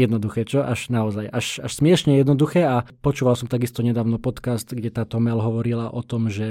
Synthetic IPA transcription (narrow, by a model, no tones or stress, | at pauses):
jɛd̪nɔd̪uxɛːt͡ʃɔʔaʒnaɔzajʔaʃaʃsmɪɛʃɲɛjɛd̪nɔd̪uxɛːapɔt͡ʃuːʋalsɔmt̪aɡist̪ɔɲɛd̪aːʊnɔpɔt̪kast̪ɡɟɛt̪aːt̪ɔmɛlɦɔʋɔɾilaʔɔt̪ɔmʒɛ